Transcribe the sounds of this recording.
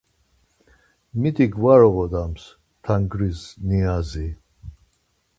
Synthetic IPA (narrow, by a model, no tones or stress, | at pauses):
mit̪ʼiɡvaɾɔɣɔd̪ams | t̪ʰaŋɡɾizniazi